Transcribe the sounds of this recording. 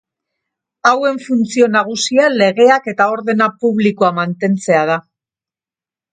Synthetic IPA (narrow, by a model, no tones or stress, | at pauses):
awe̞ɱfunt͡sio̞naɣ̞usiale̞ɣe̞ake̞t̪ao̞ɾðe̞napuβlikoamant̪e̞nt͡se̞að̞a